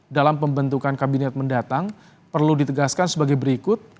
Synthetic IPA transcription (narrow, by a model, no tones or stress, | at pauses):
dalampəmbənt̪ukankabinɛt̪̚məndat̪aŋ | pərludit̪əɡaskansəbaɡajbəɾikʊt̪̚